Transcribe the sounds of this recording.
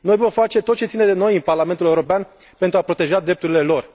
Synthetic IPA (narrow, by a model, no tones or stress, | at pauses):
no̞jvo̞mfat͡ʃe̞t̪ot̪̚t͡ʃe̞t̪sined̪e̞no̞jɨnparlame̞nt̪uleuɾo̞pean | pent̪ɾuapɾo̞t̪e̞ʒad̪ɾe̞p̚t̪uɾile̞lo̞r